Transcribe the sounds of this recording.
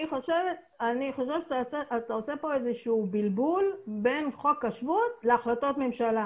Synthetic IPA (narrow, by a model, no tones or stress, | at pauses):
iχo̞ʃevet̪ | aniχo̞ʃevʃʔat̪aosepo̞ezeʃuuːbilbulbe̞nχo̞kːaʃvut̪leaχlat̪o̞t̪me̞mʃala